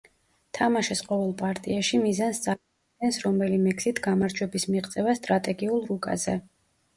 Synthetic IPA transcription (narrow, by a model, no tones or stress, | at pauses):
t̪ʰamaʃɛsqʼɔvɛlˠpʼaɾt̪ʼiaʃimizansd̪zal | ɛnsɾɔmɛlimɛksit̪ʰɡamaɾd͡ʒwɛbismiʁt̪sʼɛvast̪ʼɾat̪ʼɛɡiulˠɾukʼa̰zɛ